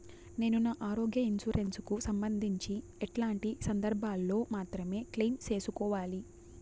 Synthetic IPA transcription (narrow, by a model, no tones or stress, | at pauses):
ne̞ːnunaːʔaːɾoːɡjɐinsuɾensukusɐmbɐnd̪ʱiɲt͡ʃi | ɛʈlaːɳʈisɐnd̪ɐɾbʱaːlːo̞ːmaːt̪ɾɐme̞ːkliːnt͡ʃe̞ːsukɔːʋaːli